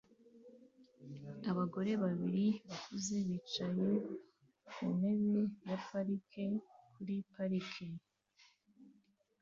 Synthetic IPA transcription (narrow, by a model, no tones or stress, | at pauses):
aβaɡo̞ɾe̞βaβiɾiβakʰuze̞βit͡ʃaje | une̞βejapaɾikʰekuɾipaɾikʰe